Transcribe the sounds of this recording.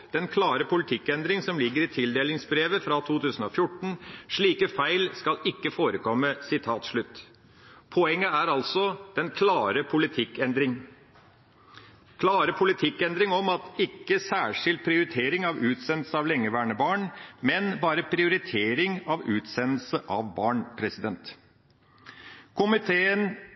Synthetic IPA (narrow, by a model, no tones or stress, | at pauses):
d̪̥ɛnkʰlɑːɾəpʊlɪt̪ʰɪkːɛnd̪ɾɪŋsɔmlɪɡːəɾɪt̪ʰɪld̪eːlɪŋsbɾeːʋəfɾɑt̪ʰuːt̪ʰʉːsən̩oːfjʊʈːɳ̩ʂɭiːkəfæɪlskɑlɪkːəfoːɾəkʰɔmːəsɪt̪ʰɑːt̪ʂɭʉt̪ː | pʰɔɛŋːəæɾɑlsɔd̪̥ɛnkʰlɑːɾəpʰʊlɪt̪ʰɪkːɛnd̪ɾɪŋ | kʰlɑːɾəpʰʊlɪt̪ʰɪkːɛnd̪ɾɪŋɔmɑt̪ɪkːəsæːʂɪlt̪̚pʰɾɪʊɾɪt̪ʰeːɾɪŋɑʋʉːt̪sɛnl̩səɑʋlɛŋːəʋæːɳəbɑːɳmɛnbɑːɾəpʰɾɪʊɾɪt̪ʰeːɾɪŋɑʋʉːt̪sɛnːəlsəʔɑʋbɑːɳpʰɾɛsɪd̪ɛnt̪ | kʰʊmɪt̪ʰeːən